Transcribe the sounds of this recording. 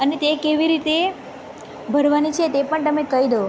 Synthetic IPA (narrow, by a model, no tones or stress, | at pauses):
ənet̪ekeʋiɾit̪e | bʱəɾʋanit͡ʃʰet̪epəɳt̪əmekəid̪oo